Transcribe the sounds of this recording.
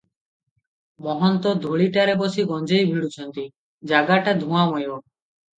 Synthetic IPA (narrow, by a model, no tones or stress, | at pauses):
mɔɦɔnt̪ɔd̪ʱuɭiʈaɾebosiɡɔnd͡ʒejbʱiɽut͡ʃʰɔnt̪i | d͡ʒaɡaʈad̪ʱũamɔjo